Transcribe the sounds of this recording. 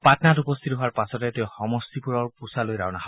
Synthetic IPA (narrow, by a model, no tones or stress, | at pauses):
patnatupɔst̪ʰituɦoaɹpasɔtɛteʊ̃xɔmɔstipuɹɔɹpusalojɹa̰wnaɦa